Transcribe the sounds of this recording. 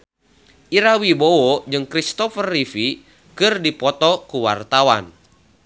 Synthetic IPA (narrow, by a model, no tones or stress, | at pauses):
ʔiɾawibowɔd͡ʒɨŋkɾist̪ɔfərːifi | kɨrdipɔt̪ɔkuwa̰rt̪awa̰n